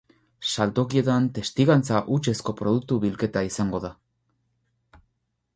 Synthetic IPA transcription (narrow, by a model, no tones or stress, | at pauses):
salt̪o̞kie̞t̪ant̪e̞st̪iɣant͡saʔut͡ʃe̞sko̞pɾo̞ð̞uk̚t̪uβilke̞t̪aisaŋɡo̞ða